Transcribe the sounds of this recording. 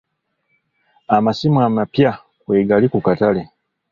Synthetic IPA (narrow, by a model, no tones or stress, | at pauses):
amasimwamapja | kweːɡalikukatale̞